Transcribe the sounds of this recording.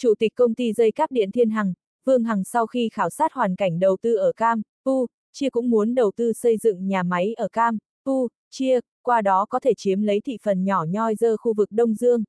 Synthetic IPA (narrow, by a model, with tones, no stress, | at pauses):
t͡ɕu˧˩t̪ï˨˩k̟̚kə˧wŋ͡mt̪i˧zə˧jkaː˦˥k̚ɗḭ˧˨ənt̪ʰi˧ənɦa˨˩ŋ | vɨ˧əŋɦa˨˩ŋsa˧wxi˧xaː˨˦wsaː˦˥t̚hwaː˨˩nka˧˩jŋ̟ɗə˨˩wt̪ɨ˧ʔəː˧˩kaː˧m | vu˧ | t͡ɕi˧əkʊ̰˧˥ŋ͡mmu˨˦ənɗə˨˩wt̪ɨ˧sə˧jzɨ̰˧˨ŋɲaː˨˩ma˨˦jʔəː˧˩kaː˧m | vu˧ | t͡ɕi˧ə | kwaː˧ɗɔ˨˦kɔ˨˦t̪ʰe˧˩t͡ɕi˨˦əmlə˨˦jt̪ʰḭ˧˨fə˨˩nɲɔ˧˩ɲɔ˧jzəː˧xu˧vɨ˨˩k̚ɗə˧wŋ͡mzɨ˧əŋ